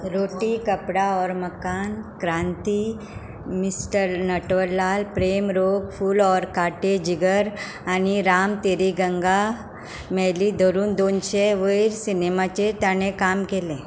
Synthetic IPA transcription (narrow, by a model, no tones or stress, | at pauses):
ɾoʈikəpɽaɔɾməkankɾãnt̪i | misʈəɾnəʈʋəɾlalpɾemɾoɡfuːlɔɾkaʈed͡ʑiɡəɾ | añiɾamt̪eɾiɡəŋɡa | mɛlid̪ʱəɾuːnd̪onɕeʋəjiɾsinemat͡ɕet̪jaɽ̃ekamkelẽ